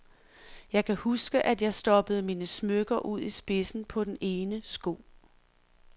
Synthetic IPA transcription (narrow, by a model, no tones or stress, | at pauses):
jɑ̈ɪkʰæhusɡ̥əʔæd̥jɑ̈ɪsd̥ɒ̽b̥əð̩ˠmiːnəsmøɡ̥ɐʔuð̞̰ˠisb̥e̝sn̩pʰɒ̽d̥ene̝ːnəsɡ̥o̝ː